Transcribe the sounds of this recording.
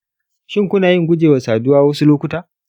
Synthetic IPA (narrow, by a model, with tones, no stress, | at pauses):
ʃɪ˦ŋkʷʊ˦naː˨jɪ˦ŋɡʷʊ˦d͡ʒeː˨wa˨saː˨dʊ˦waː˦wɐ˦su˦loː˦kʷʊ˦taː˦